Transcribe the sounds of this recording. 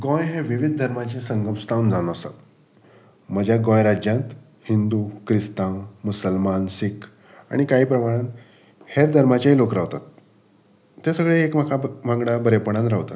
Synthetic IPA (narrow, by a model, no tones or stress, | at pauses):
ɡɔ̃jɦẽʋiʋid̪̚ʱd̪ʱəɾmat͡ɕẽsəŋɡəmst̪awund͡zañəsa̰t̪ | məd͡ʑʱjaɡɔ̃jɾad͡ʑjãnt̪ | hind̪ukɾist̪ãwmusəlmansik | a̰ɽ̃ikaɦiːpɾəmaɽ̃ãnt̪ | heɾd̪ʱəɾmat͡ɕaɦilokɾaʋt̪at̪̚ː | jasəɡɭeekməkʰabʱãŋɡɽabəɾepəɽ̃ãnɾaʋt̪a̰